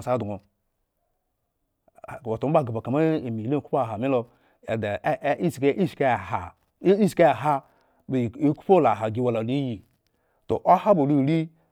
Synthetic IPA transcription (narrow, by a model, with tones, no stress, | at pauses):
sa˨˦du˨ŋo˨ | wo˨to˨m˦ba˦˨ɡa˨ba˨ka˨ma˦i˨mi˨lku˦pɦa˨mi˦lo˨ | e˨da˨˦i˦si˨ke˦ʔi˦ʃi̥˨ke˦˨ha̰˨˦ | i˦si̥˨ka˦a˨ɦa˦ | bi˦ku̥˦po˦la˨ɦa˨ɡi˨wa˨la˨li˦ji˨ | to̰˨ʔo˦ha˦bo˨lu˦˨ɾi˦